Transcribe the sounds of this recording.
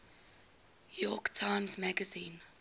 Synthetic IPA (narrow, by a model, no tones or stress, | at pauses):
jɔktʰãɪ̃mzmæɡəzĩːn